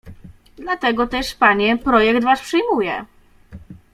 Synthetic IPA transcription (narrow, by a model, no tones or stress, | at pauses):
d̪lat̪ɛɡɔt̪ɛʂpaɲɛpɾɔjɛkt̪vaspʂɘjmujɛ